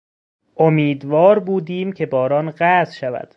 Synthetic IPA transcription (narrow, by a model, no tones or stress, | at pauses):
ʔomiːd̪vɒːɾbuːd̪iːmcʰe̞bɒːɾɒːnɢæzʃævæ̰d̪̥